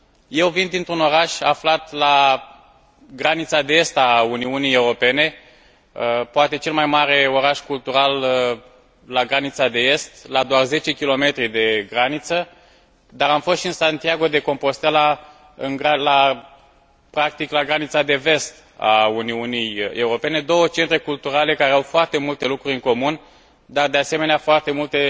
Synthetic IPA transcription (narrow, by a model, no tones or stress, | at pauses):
je̞wvind̪int̪ɾuno̞ɾaʃaflat̪la | ɡɾanit̪sad̪e̞est̪auniunije̞wɾo̞pe̞ne̞ | əpoat̪e̞t͡ʃe̞lmajmaɾe̞o̞ɾaʃkult̪uɾal | aɡɾanit̪sad̪e̞e̞st̪lad̪oarze̞t͡ʃe̞kʲilo̞me̞t̪ɾid̪e̞ɡɾanit̪sə | d̪aɾamfo̞st̪ʃiɨnsant̪iaɡo̞d̪e̞ko̞mpo̞st̪ela | ɨ̰nɡɾala | pɾak̚t̪iklaɡɾanit̪sad̪e̞ve̞st̪ | a̰uniunije̞uɾo̞pe̞ne̞d̪o̞wət͡ʃe̞nt̪ɾe̞kult̪uɾale̞kaɾeawfoart̪e̞mult̪e̞lukɾuɾʲɨŋko̞mun | d̪ard̪e̞ase̞meneafoart̪e̞mult̪e̞